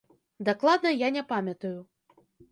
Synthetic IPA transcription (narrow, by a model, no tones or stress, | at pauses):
d̪aklˠad̪nɐjanʲɛpamʲɐt̪ɐju